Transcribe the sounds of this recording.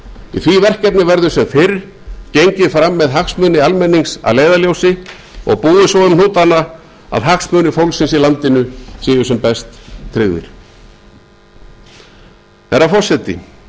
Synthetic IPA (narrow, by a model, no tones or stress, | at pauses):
iθvivɛr̥cɛpnɪvɛɾðʏ̥sɛmfɪɾ | cejɲcɪfɾamːɛðɦaksmœnɪalmɛnːiŋsa̰leːjðaljowsɪ | ɔ̰ɣpuːðɪsɔʏmn̥uːt̪ana | a̰ðɦaksmœːnɪfowlsɪnsilant̪ɪnʏsiːjʏsɛmpɛst̪ʰːɾɪɣðɪ̰ɾ̥ | θɛɾafɔr̥sɛt̪ːɪ̰